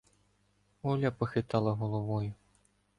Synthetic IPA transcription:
ɔlʲɐpɔxɪt̪ɑlˠɐɦɔlˠɔʋɔjʊ

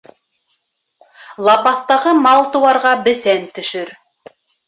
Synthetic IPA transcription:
lˠɑpɑθt̪ɑʁɤmɑlˠt̪ɤ̆wɑɾʁɑbɘ̆sænt̪ɵ̆ʃɵɾ

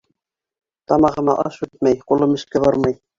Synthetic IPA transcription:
t̪ɑmɑʁɤ̆mɑ̰ʔɑʃʉt̪̚mæjqulˠɤmɘ̆ʃkæβɑɾmɑj

